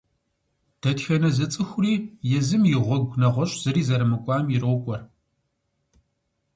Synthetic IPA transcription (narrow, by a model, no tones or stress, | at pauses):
d̥ʰɐtxɐnɐzɐt͡sʼɨxʷʊriːjɛzɨmjɪʁʷɔɡʷnɐʁʷɔɕʼz̥ɨɾiːzɐɾɨmɨkʷʼɑːmjɪrɨwkʷʼɔr